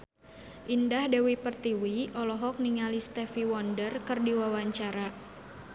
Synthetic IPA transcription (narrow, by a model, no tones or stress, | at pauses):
ʔindahdɛwipərt̪iwiɔlɔɦɔk̚niŋalist̪ɛfiwɔndərkərdiwawaɲt͡ʃaɾa